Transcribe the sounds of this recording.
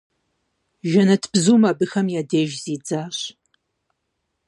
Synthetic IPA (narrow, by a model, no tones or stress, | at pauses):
ʒɐnɐtʰb̥zuːmaːbɨxɐmjaːdeːʒziːd͡zaːɕ